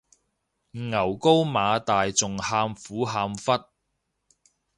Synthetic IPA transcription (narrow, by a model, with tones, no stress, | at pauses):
ŋɐ˨˩wko˥wmaː˨˧t̪aː˨jt͡sʊ˨ŋhaː˧mfuː˨˥ɦaː˧mfɐ˥t̚